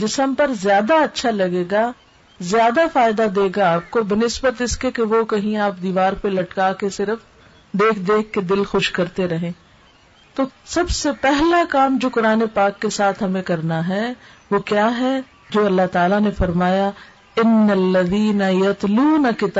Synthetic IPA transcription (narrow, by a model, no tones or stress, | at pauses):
d͡ʒɪsəmpɐɾzjaːd̪aɐtːʃʰalɐɡeːɡa | zjaːd̪afaːɪd̪ad̪eːɡaːp̚kobɪnɪsbət̪ɪskekeʋokɐɦĩaːpd̪iːʋaːɾpelɐʈkakesɪɾəf | d̪eːkʰd̪eːkʰːed̪ɪlxʊʃkɐɾt̪eɾɐɦẽː | t̪oːsɐbsepɛɦlakaːmd͡ʒoːkʊɾaːnepaːkːesaːt̪ʰɦɐmẽkɐɾnaɦɛ | ʋokjaːɦɛ | d͡ʒoːɐlːaɦt̪aːlanefɐɾmaːja | ɪnːɐlːɐðiːnɐjɐt̪luːnɐkɪt̪ː